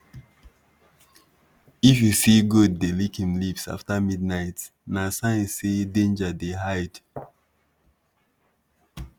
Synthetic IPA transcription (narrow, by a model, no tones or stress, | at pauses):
ifjusiɡud̚ːelikhĩmlipsa̰ftamid̚naɪt | nasãnsedẽnd͡ʒadeɦaɪd̥